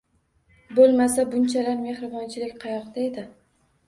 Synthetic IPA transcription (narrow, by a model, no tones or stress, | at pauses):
bolˠmasabʊnt͡ʃʰalaɾme̞hɾɪbɒnt͡ʃʰɪlɪkʲqʰɑjɒqd̪aed̪ɪ